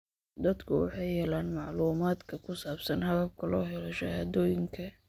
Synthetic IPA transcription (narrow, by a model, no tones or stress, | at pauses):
d̪ɐd̪kʰʊwɑ̰ħɑjhɛlaːnmɑʕluːmaːd̪kʰɐkʰʊsaːbsɐnhɐðɐb̚kʰɐlɔːɦɛlɔʃɐhaːd̪ɔːjɪŋkʰɐ